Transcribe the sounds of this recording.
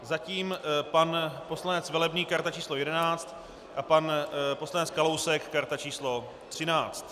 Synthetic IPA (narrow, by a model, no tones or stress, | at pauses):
zaciːmpanpo̞slanɛt͡svɛlɛbɲiːkaɾt̪at͡ʃiːslo̞jɛdɛnaːt͡st̪ | ʔapanpo̞slanɛt͡skalowsɛkːaɾt̪at͡ʃiːslo̞ | t̪r̝̥ɪnaːt͡st̪